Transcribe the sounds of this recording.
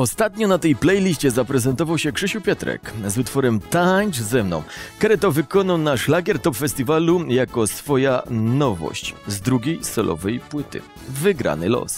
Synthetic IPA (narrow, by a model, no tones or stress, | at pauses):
ɔst̪at̪ɲɔnat̪ɛjplɛjlʲiɕt͡ɕɛzapɾɛzɛnt̪ɔvawɕɛkʂɘɕuwpʲjɛt̪ɾɛ̰kzut̪fɔɾɛmt̪aɲʐzɛmnɔ̰w̃kɛɾɛt̪ɔvɘkɔnawnaʂlaɡʲjɛɾt̪ɔpfɛsʲt̪ʲivalujakɔsfɔjanɔvɔ̰ɕt͡ɕzd̪ɾuɡʲejsɛlɔ̰vɛjpwɘt̪ɘ̰ | vɘɡɾa̰nɘlɔ̰s